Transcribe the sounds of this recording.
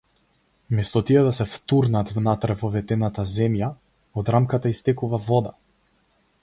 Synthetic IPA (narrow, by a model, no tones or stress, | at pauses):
mɛst̪ɔt̪iɛd̪asɛft̪uɾnat̪vnat̪ɾɛvɔvɛt̪ɛnat̪azɛmja | ɔd̪ɾamkat̪aist̪ɛkuvavɔd̪a